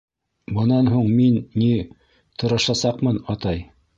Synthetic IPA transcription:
bɤ̆nɑnɦuɴminːi | t̪ʰŏɾɑ̆ʃɑsɑqmɤnɑt̪ɑj

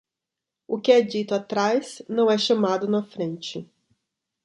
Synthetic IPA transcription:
ʊkɪɛd͡ʒit̪ʊat̪ɾajznɐ̃w̃ɛʃɐ̃mad̪ʊnɐfɾẽnt͡ʃɪ

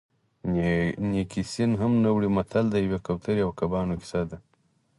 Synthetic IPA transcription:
nikisinɦamnawɽimat̪ʰald̪ajawekawt̪ʰaɾiawkabɑːnoki̥sad̪a

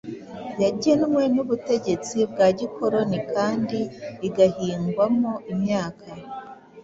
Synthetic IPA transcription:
jaɟinmwe̞nuβute̞ɟe̞t͡sibɡaːɟikʰo̞ɾo̞nikaːndiːɡahiːŋɡwamoʔimɲaːkʰa

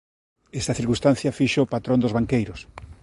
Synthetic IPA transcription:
ɛst̪ɐθiɾkust̪an̟θjɐfiʃoopat̪ɾõnd̪ozβaŋkejɾʊs

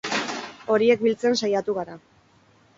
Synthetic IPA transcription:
o̞ɾie̞k̚bilt͡se̞nsajat̪uɣaɾa

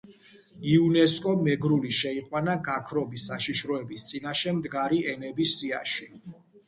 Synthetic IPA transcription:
iunɛskʼɔmɛɡɾuliʃɛiqʼwanaɡakʰɾɔbisːaʃiʃɾɔɛbist̪sʼinaʃɛmd̪ɡaɾiɛnɛbisia̰ʃi

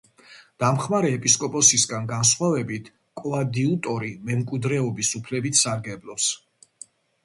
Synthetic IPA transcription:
d̪̥amχmaɾɛːpʼiskʼɔpʼɔsisɡanɡansχwavɛbit̪ʰ | kʼlad̪iut̪ʼɔɾimɛmkʼwid̪ɾɛɔbisupʰlɛbit̪ʰsaɾɡɛblˠɔps

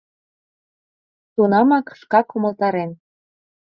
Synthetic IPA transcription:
t̪unɑmɑkʃkɑkumə̆lt̪ɑɾen

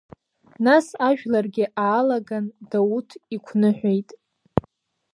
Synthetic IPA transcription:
nasaʒᶣlarɡʲɪʔaːlaɡandawutʰikʷʰnɨħʷᶣejtʼ

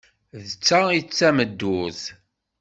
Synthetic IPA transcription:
ðət͡sːait͡sːæməd̪ːuz

